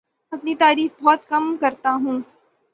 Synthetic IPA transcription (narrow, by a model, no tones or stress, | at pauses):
ɐpnit̪aːɾiːfbɔːt̪̚kɐmkɐɾt̪aɦũː